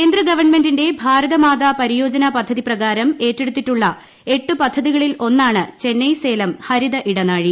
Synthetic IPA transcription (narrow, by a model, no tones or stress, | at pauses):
keːnd̪rɐɡɐʋɐrɳme̞ndinde̞bʱaːɾɐðɐmaːðaːpɐɾijo̞ːd͡ʑɐnɐpɐd̪ʱːɐðiprɐɣaːɾɐme̞ːtːe̞ɽut̪ːitːuɭːɐ | e̞ʈːuɨpɐd̪ʱːɐðiɣɐɭilo̞nːaːɳɨt͡ɕe̞nːɐjse̞ːlɐmhɐɾiðɐʔiɽɐnaːɻi